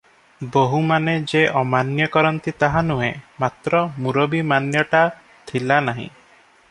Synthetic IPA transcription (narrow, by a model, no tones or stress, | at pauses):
boɦumaned͡ʒeʔɔmanjɔkɔɾɔnt̪it̪aɦanuɦḛ̃mat̪ɾɔmuɾobimanjɔʈa | t̪ʰilanaɦḭ̃